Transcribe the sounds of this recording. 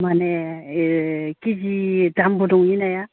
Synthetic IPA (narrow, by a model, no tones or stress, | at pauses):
mane | kid͡ʒidambuduŋjinaja